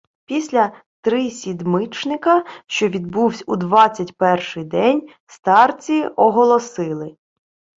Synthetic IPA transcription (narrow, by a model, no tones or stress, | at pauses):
pʲisʲlʲɐ | t̪ɾɪsʲid̪mɪt͡ʃnɪkɐʃt͡ʃɔʋʲid̪̚buwsʲud̪ʋɑt͡sʲːɐtʲpɛrʃɪjd̪ɛnʲ | st̪ɑrt͡sʲiʔɔɦɔlˠɔsɪlˠɪ